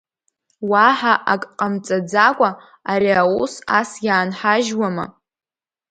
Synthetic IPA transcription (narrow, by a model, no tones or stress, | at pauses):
waħaʔakʼqʼamt͡sʼad͡zakʷʼa | aɾiawusasjaːnħaʒwama̰